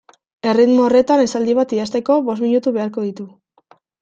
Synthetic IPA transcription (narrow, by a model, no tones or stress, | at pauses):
e̞rit̪moore̞t̪ane̞sald̪iβ̞at̪iast̪e̞ko̞βo̞s̬miɲut̪uβe̞aɾko̞ð̞it̪u